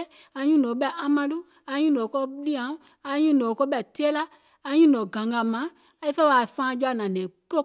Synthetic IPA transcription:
a˧ɲũ˦nɔ̃˨bɛ˦˨ʔa˨˦mã˧lu˦ | a˧˦ɲũ˦nɔ̃˨kɔ˦li˦ã˨˦ | a˧˨˦ɲũ˦˨nɔ̃˨kɔ˦bɛ˦˨te˦la˦ | a˨˧˦ɲũ˦nɔ̃˨ɡã˨ŋɡã˨mã˨˦ | a˧˦i˦fɛ˦wa˨fã˦˧˦d͡ʒɔ˦a˧˨nã˨nẽ˨ko˦

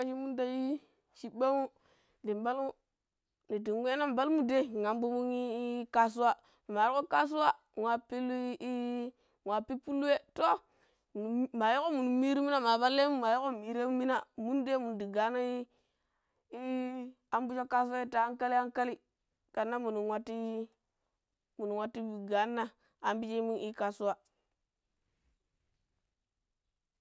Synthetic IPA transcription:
a˦ʃi˦mu˦nda˦ji˦ | ʃi˦be˦mu˦ | di˨mba˦lmu˦ | ni˨di˨ŋwʷe˦na˦m˨ba˦lmu˦de˦˨ŋa˨m˦bu˦mu˦ŋi˦ka˦s̬u˦wa˦ | ni˨m˨a˨ɾko˦ka˦s̬u˦wa˦˨wʷa˨pi˦l | ŋʷa˨pi˦pu˦lːu˦we˦to˦˨˦ | ma˨jo˦ko˦mu˨nu˨mi˦ɾi˦mi˦na˦ma˨ba˦lːe˦mu˦ma˨jo˦ko˦˨mi˨ɾe˦mu˦mi˦na˨mu˦nde˦mu˨ndi˨ɡa˨˦na˦i˦ | i˦ | a˦mbu˦d͡ʒo˦kːa˦s̬u˦a˦i˦ta˨a˦ŋka˦li˦a˦ŋka˦li˦ | ka˨nːa˦mu˨nu˨wa˦tːi˦ | mu˨nu˨wʷa˦tːi˦bi˨ɡa˨˦nːa˦ | a˨mbi˦t͡ʃi˦i˦mu˦i˦ka˦su˦wa˦

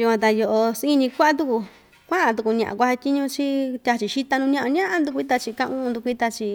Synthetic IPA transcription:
ju˧kʷã˧t̪a˧jo˧ʔo˧sĩ˦˧nĩ˧kʷa˦ʔa˦t̪u˧ku˧ | kʷã˦ʔã˧t̪̬u˧ku˧ɲã̰˨ʔa̰˨kʷa˧ha˧tʲi˦ɲũ˧t͡ʃi˦t̪ʲa˧t͡ʃi˨ʃi˦t̪a˧nũ˧ɲã˧ʔã˧ɲã˦ʔã˧nd̪u˧k̬ʷi˧˦t̪̬a˧t͡ʃi˧kã˧ʔũ˦˧d̪u˧kʷi˦t̪a˧t͡ʃi˧

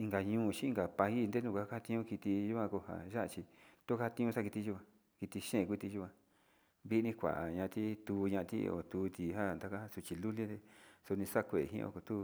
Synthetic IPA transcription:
i˧ŋɡa˨ɲũː˧˦˨t͡ʃĩ˦i˦ŋ˧ɡa˨pa˧i˦˧nd̪e˦nũ˧˨kʷa˧˦˧ka˦a˦˧t̪ĩ˧ɲũ˦ki˧t̪i˧ʒu˦kʷã˧ko˧ha̰˨ʒa˦ʔa˧t͡ʃi˧t̪o˦ka˦a˧t̪ĩ˧ũ˧a˦ki˧t̪i˧ʒu˦kʷã˧ | ki˧t̪i˧ʃẽ˦˨kʷi˦˧t̪i˧ʒu˧kʷã˧ | βi˦nĩ˦kʷa̰˨ʔa˨ɲã˧t̪i˦t̪u˧ɲã˧ʔa˧t̪ḭ˦o̰˨t̪u˧t̪i˧˨ɦa˦˨nd̪a˧ka˦ha˦˧su˧t͡ʃi˧lu˦li˦d̪e˧so˧nĩ˧sa˦˧kʷe˨ɦḭ̃˦˧o̰˧ko˨t̪u˦˧

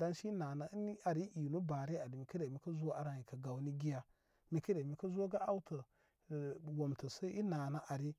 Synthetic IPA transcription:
da˦nʃi˦na˨na˦ni˦a˨ɾi˦i˨nu˦ba˨ɾe˦a˨ɾi˨mi˨kə˦ɾe˨mi˨kə˦zu˦wa˦a˦ɾa˨ji˨ka˨ɡa˨wni˦ɡi˦ja˦ | mi˨kə˦ɾe˨mi˨kə˦zu˦wa˦ɡa˦a˦wtə˨ | wo˨mtə˨sə˦i˦na˨na˦ʔa˨ɾi˦

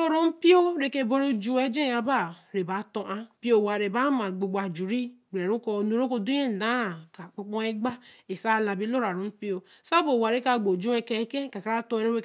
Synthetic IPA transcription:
o˦ɾo˦m̩˦pi˦o˦ɾe˦ke˦bo˦ɾo˦d͡ʒu˦e˦d͡ʒe˦˨˦a˨ba˦˨ɾe˨ba˨˦to˨ʔa˦pi˦o˦˨wa˨ɾe˨ba˦ma˨ɡ͡bo˨ɡ͡ba˨d͡ʒu˨ɾi˦ɡ͡be˨ɾu˦ko˨nu˨˦ɾo˦ko˦du˦je˦n̩˨da˨˦˨ka˨k͡po˦k͡pɔ˦e˦ɡ͡ba˦e˨sa˦˨la˨bi˦lo˦ɾa˨ɾo˨˦m̩˦pi˦o˦ | sa˦bo˨wa˨ɾe˦ka˦˨ɡ͡bo˨d͡ʒu˦e˨ke˨˦ke˦ka˨ka˦ɾa˦tõ˦e˦ɾo˦e˦

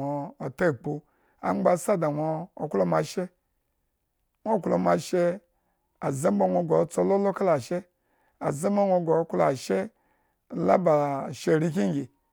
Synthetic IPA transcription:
o˨o˨ta˦˨k͡pu˦ | a̰˨˦ŋ͡mɡ͡ba˨sa˦da˨ŋʷoː˨klo˦˨ma˨ʃe˦ | ŋʷo˦˨klo˨ma˨ʃe˦ | a˨za˦bo˦ŋʷo˨ɡo˨t͡so˦lo˦lo˦ka˦la˨ʃe˦ | a̰˨za˦ma˦ŋʷo˧ɡo˨˦klo˦a˨ʃe˦˨ | la̰˦ba˨ʃe˨ɾi˦ki˦ŋ˦ɡʲi˨

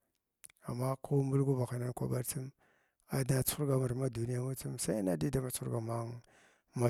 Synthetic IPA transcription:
a̰˨ma˦ku˦mbu˦lɡu˦ba˨xa˨na˦nkʷa̰˦ba˦ɾt͡su˦m | a˨da˨t͡su˦ɡa˨ma˨ɾma˦du˨ni˦ja˦ma˦t͡su˦msa˦i˦na˦di˦da˦ma˨t͡su˦ɡa˨ma˦ | ma˨

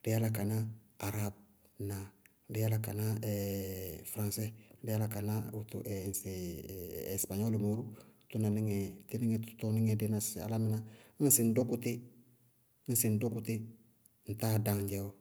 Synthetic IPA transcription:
ɾɪ˦a˦la˨ka˨na˦ | a˨ɾab̚ | na˨ | ɾɪ˦ja˦laka˨na˦ɛ | fɾã˨nsɛ˦ɾɪ˦ja˦la˨ka˨na˦u˦tṵ˨ʔɛnsḛ˨ | spa˨ɲɔ˦lu˨mo˨ɾu˦tu˦na˨ni˦ŋɛti˦ni˦ŋɛ˦tu̥tɔ˦nɪ˦ŋɛ˨de˦na˨sa̰˨la˦mɪ˦na˦n̩˦sɪ˨n˦dɔ˦ku˦tɪ˦ | n̩˦sɪ˨n˦do˦kutɪ˦ | n̩˨ta˦dã˨ɟɛwɔ˦

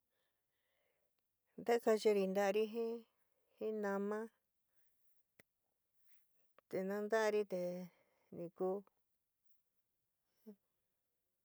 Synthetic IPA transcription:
nd̪a˦ka˧t͡ʃi˧ɾi˧nd̪a˦˧ɾi˦ɦĩ˦ | hĩ˦nã˧mã˦ | t̪e˨nã˦nd̪a˦˧ɾi˦t̪e˧ | nĩ˧ku˦˧ | hĩ˦

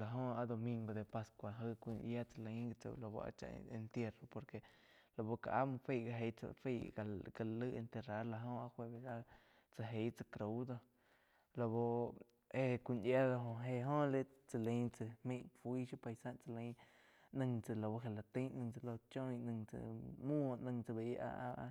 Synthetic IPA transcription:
la˨ɦõ˧a˧d̪o˧mĩ˧ŋɡo˧d̪e˧pa˧skʷa˧˨ɦə˧kʷi˧nʔja˦t͡sa˧lẽ˧˦ɡa˧t͡so̰˧˨lo˧bo̰˧a̰˧t͡ʃa̰˧e˧nt̪je˧ro˧po˧ɾke˧˨ | lo˧˨bo˧ka̰˨ʔa̰˦mɨ̃˧fe˦˨ɡa˧ɦe˧˦t͡sa̰˧fi˧˨a˨ɡa˧lɨ˦ʔe˧nt̪e˧ra˨˦la˧ɦõ˧a˧hʷwe˧be˧˨a˦ | t͡sa˧ɦe˧˦t͡sa˧kɾo˨˧˦d̪o˧ | lo˧bo˧ | e˧kʷi˧nja˦d̪o˧ɦõ˧ɦe˧ɦõ˦le˦t͡sa˧lẽ˧˦t͡sɨ˧hmĩ˧˦ʔfwiː˦ʃu˦pa˧jsã˦ʔt͡sa˧lẽ˧˦ | nɨ̃˧ŋt͡sɨ˧lo˨bo˧ɦe˨la˨t̪ĩ˦nɨ̃˧ŋt͡sɨ˧˨lo˧t͡ʃõ˦j̃nɨ̃˧ŋt͡sɨ̰˧mũ˦˧ʔnə̃˧ŋt͡sɨ˧˨be˨jʔa̰˧ʔa˧ʔ

